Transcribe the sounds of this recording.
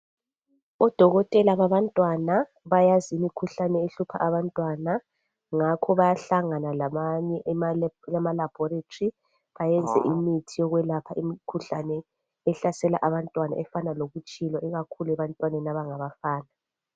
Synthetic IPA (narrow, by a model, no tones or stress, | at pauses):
ɔd̥ʱɔɣɔtʼɛlaβaβantʼwana | βajazimikʰuɬanɛeɬupʰa̰ʔaβantʼwana | ŋakʰɔβajaɬaŋanalamaɲɛʔjamalab̥ʱɔɾetʰʼri | βajɛnd͡zʱɛ̰ʔimitʰijɔɣwɛlapʰaʔimikʰuɬanɛː | ɬasɛla̰ʔaβantʼwana̰ʔɛfanaloɣut͡ʃʼilɔʔɛɣakʰuluɛβantʼwanɛnaβaŋaβafaːna